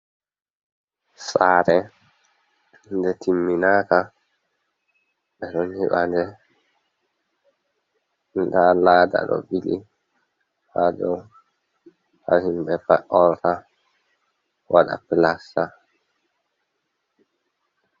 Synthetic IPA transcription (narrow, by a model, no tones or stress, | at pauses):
saːɾɛ | ndɛtimːinaːka | ɓɛɗɔnhiɓandɛ | ndalaːda̰ɗɔ̰bili | hadɔw | ha̰himbɛpaʔɔlta | wʔaɗa̰pilasa